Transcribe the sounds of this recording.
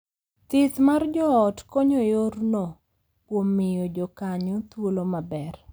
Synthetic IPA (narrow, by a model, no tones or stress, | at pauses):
t̪ɪt̪mard͡ʒɔːtkɔɲɔjorno | kwomːɪjɔd͡ʒɔkaɲɔt̪wolomabɛr